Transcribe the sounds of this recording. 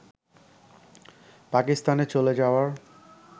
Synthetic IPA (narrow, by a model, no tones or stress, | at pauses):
pakist̪anet͡ɕoled͡ʑaoaɾ